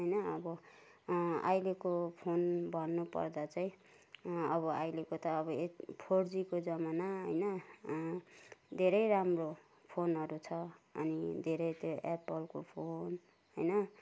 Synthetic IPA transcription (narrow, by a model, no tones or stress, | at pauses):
ɦʌjnʌʌbʌ | a̰jlekopʰonbʱʌnːupʌ̰rd̪at͡saĩ | ʌβʌajlekot̪ʌːβʌepʰoɽd͡zikod͡zʌmanaɦʌjnʌ | d̪ʱeɾʌjɾamro | pʰonɦʌɾut͡sʰʌʌ̰nid̪ʱeɾʌjt̪joʔepʌlko̰pʰon | ɦʌjnʌ